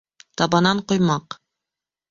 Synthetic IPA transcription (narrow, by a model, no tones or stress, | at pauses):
t̪ɑbɑnɑɴqŏjmɑq